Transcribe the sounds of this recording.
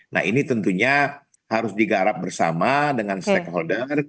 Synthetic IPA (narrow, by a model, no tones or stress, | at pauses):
na̰ɦinit̪ənt̪uɲa | haɾʊsdiɡaɾap̚bərsa̰madəŋanst̪ɛkɦɔldər